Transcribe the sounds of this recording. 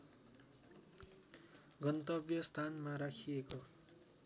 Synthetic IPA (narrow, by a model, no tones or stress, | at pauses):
ɡʌnt̪ʌbjʌst̪ʰanmaɾakʰieko